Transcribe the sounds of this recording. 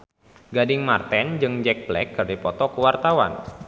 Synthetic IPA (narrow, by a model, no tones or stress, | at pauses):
ɡadɪŋmart̪ɛnd͡ʒɨŋd͡ʒɛk̚blɛkːərdipɔt̪ɔkəwart̪awa̰n